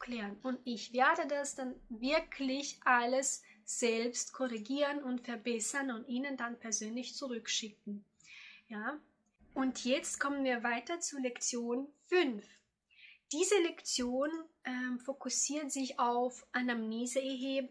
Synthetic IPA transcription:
kʰl̥eːʁənʊntɪçv̥eːɐdədasd̥anvɪɐkʰlɪçʔaləsz̥ɛlpstkʰɔʁiɡiːʁənʊntfɛɐbɛsɐnʊntʔiːnəndanpʰɛɐzøːnlɪçt͡suʁʏkʃɪk̚ŋ̩ | jaː | ʔʊntʰjɛt͡stkʰɔmənviːɐvaɪtɐt͡sulɛkt͡sjoːnfʏnf | d̥iːzəlɛkt͡sjoːnʔɛmfokʊsiːɐtz̥ɪçaʊfʔanamneːzəɛɦeːb

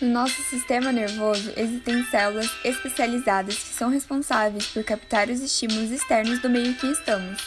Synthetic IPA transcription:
nʊnɔsʊsist̪ẽmɐneɾvozʊ̰ʔezist̪ẽj̃sɛlulɐzespesializad̪ɐskɪ̥sɐ̃w̃ɦespõsavejspoɾkapi̥t̪aɾʊzɪst͡ʃimulʊzist̪ɛɾnʊzd̪ʊmejʊ̃kɪːst̪ɐ̃mʊs

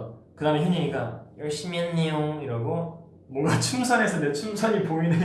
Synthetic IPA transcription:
kɯdaːmeçiɲiiɡajʌɭɕ͈imjʌnːejoŋiɾaɡo | mwʌnɡat͡ɕʰumsʰʌnɦe̞sʰʌnet͡ɕʰumsʰʌɲipoine

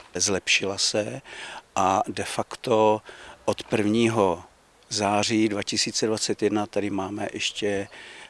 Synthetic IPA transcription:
zlɛpʃɪlasɛʔadɛfakt̪oʔot̪pr̩vɲiːɦo | zaːriːdvacɪsiːt͡sɛdvat͡sɛt̪jɛdnat̪adɪmaːmɛʔɛʃcɛ

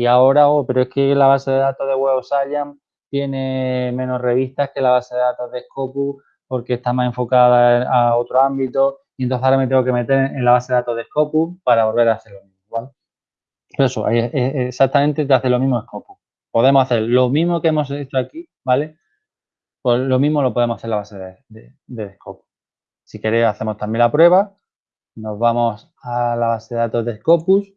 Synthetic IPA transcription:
iao̞ɾaope̞ɾoeke̞laβ̞ase̞ðe̞ðat̪oðeɣweosaʎam | t̪je̞ne̞mẽ̞no̞re̞βiht̪ahke̞laβase̞ðe̞ðat̪o̞ðe̞hko̞pu | po̞ɾke̞ːst̪amase̞ɱfo̞kað̞aeao̞t̪ɾoambit̪o̞ | ient̪oθeoɾamet̪eŋɡo̞ke̞me̞t̪̬e̞ɾelaβase̞ðeðat̪oðehko̞pupaɾaβo̞lβe̞ɾaːθe̞ɾlo̞mĩmoβale | poɾesoʔa̰jeeesak̚t̪amẽnt̪et̪aθelo̞mĩɦmoehko̞pu | po̞ðe̞moaθeɾlo̞mĩɦmo̞keemo̞s̬et͡ʃoaki | bale̞ | polo̞mĩɦmo̞lo̞poe̞moaθe̞ɾlaβaseðed̪ed̪eeko̞pu̥ | sike̞ɾeaθe̞mo̞st̪ambje̞nlapɾwe̞β̞a | no̞zβamo̞s | alaβase̞ðeðat̪o̞zðe̞sko̞pus

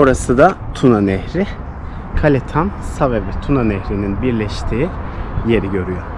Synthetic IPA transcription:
oɾasɯd̪at̪ʰunanɛhɾɪ | kʰalʲet̪ʰansavɛvɛt̪ʰunanɛhɾininbiɾlʲɛʃt̪ʰiːje̞ɾiɟø̞ɾyjo

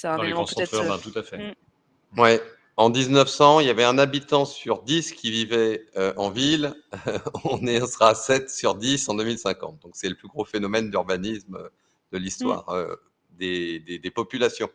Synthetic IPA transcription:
sẽẽpt̪ɛtɛ̃t̪ut̪afɛ | wɛ | ɑ̃d̪iznəfsɑ̃iljavɛɛ̃nabit̪ɑ̃syʁd̪iskʲʰivivɛøʔɑ̃vil | ɔ̃nɛɔ̃səʁasɛt̪syʁd̪isɑ̃d̪ømilsɛ̃kɑ̰̃t̪̚d̪̥ɔ̃ksɛləplyɡʁofenɔmɛnd̪yʁbanismø | d̪̥əlist̪wa̰ːʁø̰ | d̪ed̪ed̪epɔpylasjɔ̃

